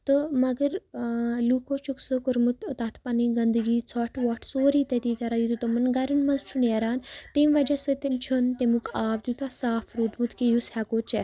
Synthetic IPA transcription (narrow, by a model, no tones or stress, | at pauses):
t̪əmɐɡəɾlukʰot͡ʃuksəkəɾmut̪t̪at̪ʰpaniɡɐnd̪ɡit͡sʰɔʈʰʋɔʈʰsoːɾit̪et̪ik̪aɾajit̪ut̪ɔmɐnɡaɾəɳmɐnzt͡ʃʰuneɾaːnt̪emʋad͡ʒasət̪ent͡ʃʰənt̪emukaːb̚d̪it̪asaːfɾud̪mut̪kijushɛkot͡ʃɛ